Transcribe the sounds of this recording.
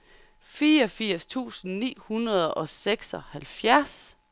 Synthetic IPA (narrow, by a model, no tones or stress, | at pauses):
fiːɐɒ̽fiɐ̰st͡sʰṵːsn̩nḭːhunɐð̞ˠɒ̽seɡ̥sɒ̽hælfjæɐs